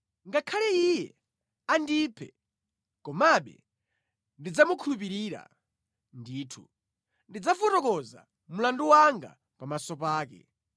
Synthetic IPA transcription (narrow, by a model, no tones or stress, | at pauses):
ŋɡakʰalɛijɛ | andipʰɛ | kɔmaɓɛ̰ | ndid͡zamukʰulup̬iɾiːɾa̰ | ndiːtʰṵ | ndid͡zavɔtɔkɔza̰ | mulanduwaŋɡa̰ | pamasɔp̬aːkɛ̰